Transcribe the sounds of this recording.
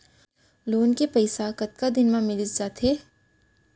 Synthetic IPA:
loːnkepɐɪsakɐt̪̚kad̪ɪnmãmɪlɪsd͡ʒaːt̪ɦeː

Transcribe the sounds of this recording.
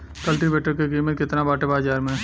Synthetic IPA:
kɐlʈiʋeːʈəɾkekiːmət̪kɪt̪nabaːʈebaːzaːɾmẽ

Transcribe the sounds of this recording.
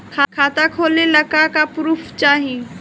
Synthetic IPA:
kʰakʰaːt̪akʰoːleləkakapɾuːpʰt͡ʃaːɦĩ

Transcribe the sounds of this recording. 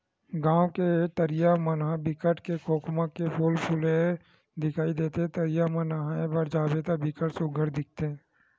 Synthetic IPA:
ɡãːwket̪əɾɪjamənabɪkəʈkekʰoːkʰmakepuːlpʰulẽ | d̪ɪkʰaːid̪eːt̪eɦɛ̃t̪ɐɾɪjamənaẽbɐɾd͡ʒaːbet̪abɪkəʈsʊɡʱəɾd̪ɪk̚ʰt̪eɦɛ̃ː

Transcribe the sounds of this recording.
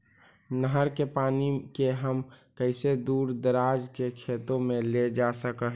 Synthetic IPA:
nəɦəɾkepaːnikeɦəmkəɪsed̪uːɾd̪əɾaːd͡ʒkekʰeːt̪õmẽled͡ʒasəkəɦ

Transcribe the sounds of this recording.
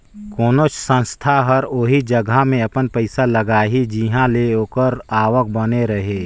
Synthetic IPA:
koːnot͡ʃsə̃nst̪ʰaɦəɾoːɦid͡ʒɐɡʱamẽɐpənpəɪsalɐɡaːɦid͡ʒiɦãleoːkəɾaːʋək̚bɐneɾɐɦeː

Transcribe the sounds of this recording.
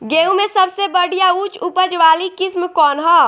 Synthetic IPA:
ɡeũmesəbsebəɽ̤ijaut͡ʃupəd͡ʒʋalikɪsmkɔːnɦɔ

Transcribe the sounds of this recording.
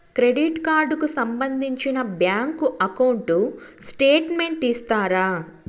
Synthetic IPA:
kɾe̞ɖiʈkaːɾɖkusɐmbɐnd̪ʱiɲt͡ʃinɐbjaːŋkuʔɐkɐwɳʈusʈeːʈme̞ɳʈist̪aːɾaː

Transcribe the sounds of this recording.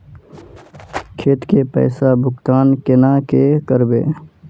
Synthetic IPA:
kʰeːt̪kepɛ̰ːsabʱʊkt̪aːnkɪnakekəɾbḛː

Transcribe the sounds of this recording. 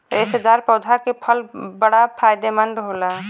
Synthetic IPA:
esed̪aɾpɔːd͡ʒʱaɾkepʰəlbəɽapʰaːjd̪emənɖɦoːla

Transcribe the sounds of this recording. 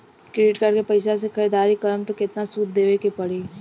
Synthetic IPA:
kɾɪɖɪʈkɐɾkepɐɪsas̬ekʰɐɾiːd̪aːɾikɐɾəmt̪okɪt̪nasuːt̪̚d̪eːʋekepɐɽ̤iː

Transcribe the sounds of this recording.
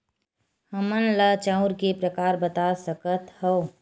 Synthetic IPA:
həmənlat͡ʃãʊɾkepɾəkaːɾbət̪asəkət̪ho

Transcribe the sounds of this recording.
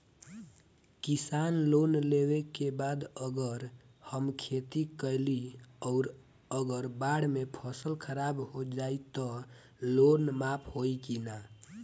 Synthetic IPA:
kisanlonlewekebad̪əɡəɾ | həmkʰet̪ikəjliɔʊɾ | əɡəɾbaɽmepʰəsəlkʰəɾabɦod͡ʒait̪ɔ | lonmapʰɦoikina

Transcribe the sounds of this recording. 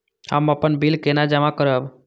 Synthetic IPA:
hə̰məpənbilkenad͡ʒəmakəɾəb

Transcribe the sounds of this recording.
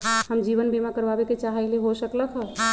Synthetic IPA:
həmd͡ʒiβənbimakəɾbabeket͡ʃaɦəjleɦosəkləkʰɦə

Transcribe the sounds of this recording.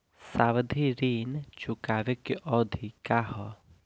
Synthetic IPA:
saːʋəd̪ʱiɾiːnt͡ʃʊkaːʋekiʔɔːd̪ʱikaɦɔ

